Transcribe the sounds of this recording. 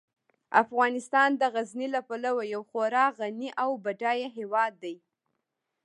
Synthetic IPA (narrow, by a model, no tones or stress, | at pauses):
afɣɑnɪst̪ɑnd̪əɣaznilapalawajawxoɾɑɣaniʔawbaɖɑjaɦewɑd̪ːaj